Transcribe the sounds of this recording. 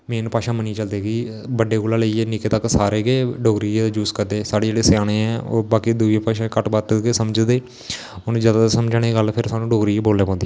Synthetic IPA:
mẽːnpaːʃãːməniːt͡ʃəld̪eːɡiː | bəɖːeːɡoːlãːləieːnɪkeːt̪əkːsaːɾeːɡeːɖoːɡɾiːed͡ʒuːskəɾd̪eːsaːɖeːd͡ʒeːɽeːsjaːñẽːɛ̃ːo̰ːbaːkiːd̪uːeːpaːʃãːkəʈbaːt̪ɡesəmd͡ʒd̪eː | onũːd͡ʒaːd̪aasəmd͡ʒaːñeːɡəlpʰɪɾsaːnũːɖoːɡɾiːeːboːlːeːpãːnd̪iː

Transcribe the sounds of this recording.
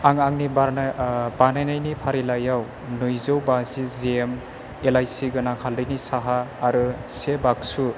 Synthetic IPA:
aŋaŋnibaɾnabanajnajnipʰaɾilajaw | nojzowbaziziem | elajsiɡɯnaŋkʰhʰaldɯjnisaɦaːɾɯsebak̚su

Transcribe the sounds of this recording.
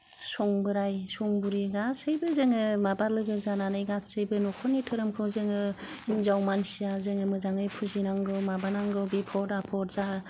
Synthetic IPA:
sɔŋbɯɾajsɔŋbuɾiɡasɯjbɯzɯŋɯmabaɾlɯɡɯzananajɡasɯjbɯnɔkʰɔnitʰɯɾɯmkʰɯzɯŋɯinzawmansijazɯŋɯmɯzaŋɯjpʰuzinaŋɡɯwmabanaŋɡɯwbipʰɔɾapʰɔɾza

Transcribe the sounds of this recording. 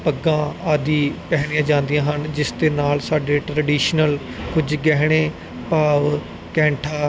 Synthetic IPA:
pəɡːãːaːd̪iːpɛːɦɽ̃ijãːd͡ʒãːnd̪ijãːɦənd͡ʒɪsd̪eːnaːlsaːɖeːʈɾəɖiːʃnəl | kʊd͡ʒɡɛːɦɽ̃eː | paːʋ | kɛ̃ːɳʈʰaː

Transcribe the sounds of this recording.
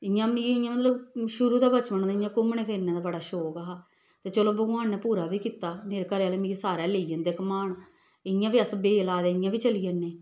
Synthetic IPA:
ɪjãːmĩɪjãmət̪ləbʃʊɾuːd̪aːbət͡ʃʋənãːd̪ɪjãːkʊmɳeːpʰeːɾnãːd̪aːbəɽaːʃoːkaːɦaː | t̪eːt͡ʃəloːbəɡõaːnːɛːpuːɾaːʋiːkiːt̪aːmeːɾeːkəɾeːaːleːmĩːisaːɾɛːleijə̃nd̪eːkəmaːɳ | ɪjãːʋiːəsbeːlaːd̪eːɪjãːʋiːt͡ʃəlijãnːeː

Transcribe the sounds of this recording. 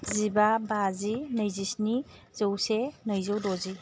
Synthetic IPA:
zibabazinəjzisniz̥əwsenəjzowdozi

